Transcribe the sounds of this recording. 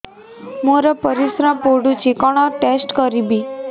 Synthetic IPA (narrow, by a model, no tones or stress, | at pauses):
moɾapəɾisɾãpoɽũt͡ʃikɔɽ̃aʈesʈkəɾibi